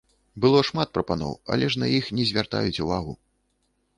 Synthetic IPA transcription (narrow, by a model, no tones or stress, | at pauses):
bɨlˠɔʂmat̪̚pɾɐpanɔ̰wɐ̰lʲɛʂnɐjixnʲɛzʲvʲart̪a̰jut͡sʲuvaɣu